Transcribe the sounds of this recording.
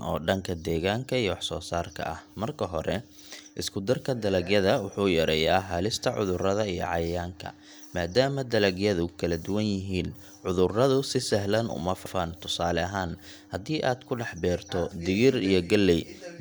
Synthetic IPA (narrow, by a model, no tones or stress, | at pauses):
ɔ̰ːɖɐŋkʰɐd̪ɛːɣaːŋkʰɐijwɑħsɔ̰ːsaːrkʰɐ̰ʔɐhmɐrkʰɐɦɔɾɛ | ʔɪskʰʊd̪ɐrkʰɐd̪ɐlɐɡjɐðɐwʊħuːjɐɾɛjaːɦaːlɪst̪ʰɐʕʊ̰ðʊrɐðɐijɔ̰ʕɑjjaːŋkʰɐ̰ | maːd̪aːmɐd̪ɐlɐɡjɐðʊkʰɐlɐd̪ʊwɐnjɪɦiːn | ʕʊðʊrɐðʊsɪsɐɦlɐnʔʊ̰mɐfɐfaːnt̪ʰʊsaːlɛɐɦaːn | hɐd̪iːʔaːd̪kʰʊɖɑħbɛːrt̪ʰɔd̪ɪɣɪrijɞɡɐlːɛj